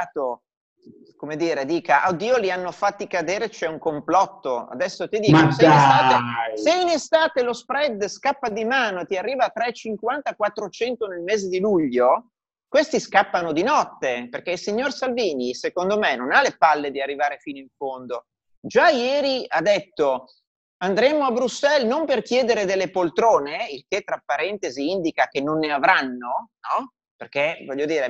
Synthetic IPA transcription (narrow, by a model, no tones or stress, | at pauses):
t̪o | komed̪iːɾed̪iːkaʔaod̪iːolianːofat̪ːikad̪eːɾet͡ʃɛuŋkomplɔt̪ːoa̰d̪ɛsːot̪id̪iːoseest̪aːeseinest̪aːt̪elospɾɛd̪skapːad̪imaːnot̪iarːiːvat̪ɾɛt͡ʃiŋkwant̪akwat̪ːɾot͡ʃɛnt̪onelmeːzed̪iluʎːo | kwest̪iskapːanod̪inɔt̪ːeperk̟eilsiɲːorsalviːnisekond̪omenonalepalːed̪iarːivaːɾefiːnoiɱfond̪o | d͡ʒajɛːɾiad̪et̪ːo | and̪ɾɛːmoabɾusːɛlnomperk̟jɛːd̪eɾed̪elːepolt̪ɾoːneilk̟et̪ːɾapːaɾɛnt̪eziind̪ikakenːonːeavɾanːonɔ | perk̟evɔʎːod̪iːɾe